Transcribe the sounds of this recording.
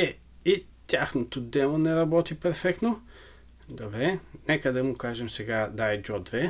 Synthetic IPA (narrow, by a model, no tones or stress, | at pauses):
ɛ | i | t̪ʲaxnot̪od̪ɛlˠonɛɾɐbɔt̪ipɛɾfɛkt̪no | d̪obɾɛnɛkəd̪ɐmʊkaʒɛmsɛɡad̪aɛd͡ʒɔd̪vɛ